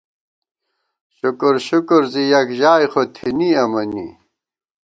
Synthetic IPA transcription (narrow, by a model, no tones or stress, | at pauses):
ɕukuɾɕukuɾzijɐkʑaːjxot̪ʰiniɐmɐnḭ